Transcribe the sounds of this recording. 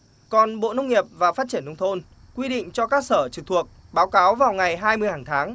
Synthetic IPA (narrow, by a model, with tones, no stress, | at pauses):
kɔ˨˩nɓo̰˧˨nə˧wŋ͡mŋi˨˩əp̚vaː˨˩faː˦˥t̚t͡ɕi˧˩ənːə˧wŋ͡mt̪ʰo˧n | kwi˧ɗḭ̈˧˨ŋ̟t͡ɕɔ˧kaː˦˥k̚səː˧˩t͡ɕɨ˨˩k̚t̪ʰu˨˩ək̚ | ɓaː˨˦wkaː˨˦wvaː˨˩wŋa˨˩jɦaː˧jmɨ˧əjhaː˧˨˩ŋt̪ʰaː˨˦ŋ